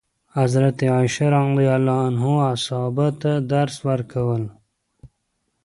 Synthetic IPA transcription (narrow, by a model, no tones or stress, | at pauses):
hazɾat̪eaʃaɾaŋlejalɑːnɦoasɑːbat̪ad̪aɾswaɾkʰawəl